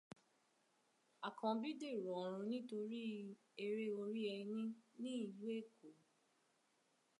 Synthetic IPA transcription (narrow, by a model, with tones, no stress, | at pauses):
a˨kã˧bi˦de˦˨ɾɔ˨ɔ˨ɾ̃ũ˧nĩ˦to˧ɾi˦ | e˧ɾe˦o˧ɾi˦ɛ˧nĩ˦nĩ˦i˨we˦˨ko˨